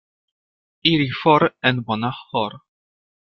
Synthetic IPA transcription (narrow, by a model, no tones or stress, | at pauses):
iɾifɔɾɛnbɔnahɔɾ